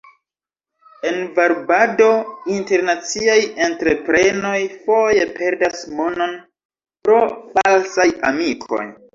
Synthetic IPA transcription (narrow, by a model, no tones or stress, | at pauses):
e̞nvaɾbado̞inte̞ɾnat͡siaje̞ntɾe̞pɾe̞no̞jfo̞je̞pʰe̞ɾdasmo̞no̞n | pɾo̞falsajamikʰo̞̰j